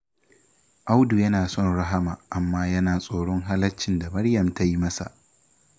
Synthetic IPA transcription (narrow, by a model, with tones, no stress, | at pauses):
ʔa˦wdu˨jɐ˦naː˨sɔ˦˨nɽɐ˦ɦa˦maː˨ʔa˨mːaː˦jɐ˦naː˨sʼoː˨ɽɔ˦ŋɦa˦lɐ˦t͡ʃːɪ˨nda˨mɐ˦ɽjɐ˨mta˦ji˦mɐ˦sa̰˨ʔ